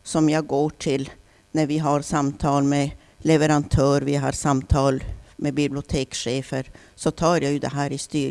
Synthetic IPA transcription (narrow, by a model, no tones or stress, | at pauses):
sɔmjɑɡoːʈʰɪl | næɾvɪɦaɾsamt̪ʰɑːlmɛ | lɛvəɾant̪ʰœːɾvɪɦɑ̰ɾsamt̪ʰɑːlmɛbɪblɪʊt̪ʰeːkʂeːfəɾ | sɔt̪ʰɑːɾjajʉd̪ɛ̰ɦæːɾɪst̪yːɾ